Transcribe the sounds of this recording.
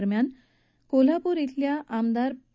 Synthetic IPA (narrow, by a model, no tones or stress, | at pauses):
ɾmjan | kol̤apuɾit̪ljaʔamd̪aɾ